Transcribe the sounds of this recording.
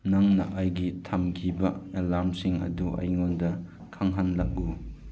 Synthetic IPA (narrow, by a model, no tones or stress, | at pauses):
nɐŋnɐ̰ʔajɡitʰamkʰibɐelaɾmsiŋɐ̰duʔɐ̰jŋondɐ | kʰaŋɦanlɐk̚u